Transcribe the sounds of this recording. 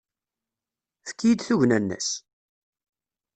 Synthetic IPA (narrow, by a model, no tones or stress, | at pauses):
θə̥kːijid̪θuʝnænːæ̰s